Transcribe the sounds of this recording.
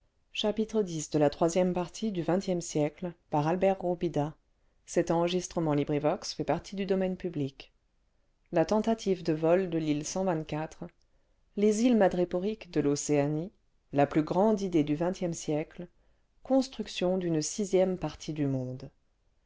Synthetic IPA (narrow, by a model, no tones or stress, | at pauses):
ʃapit̪χəd̪isd̪əlat̪χwazjɛmpaʁt̪ʰid̪yvɛ̃t̪jɛmsjɛklpaʁalbɛʁuʁbid̪a | sɛt̪ɑ̃ʁəʒist̪χəmɑ̃libʁivɔksfɛpaʁt̪ʰid̪yd̪ɔmɛnpyblik | lat̪ɑ̃t̪at̪ʰivd̪əvɔld̪əlilsɑ̃vɛ̃t̪kʲat̪χ | lezilmad̪ʁipɔʁikd̪əloseani | laplyɡʁɑ̃d̪id̪ed̪yvɛ̃t̪jɛmsjɛkl | kɔ̃st̪χyksjɔ̃d̪ynsizjɛmpaʁt̪ʰid̪ymɔ̃d̪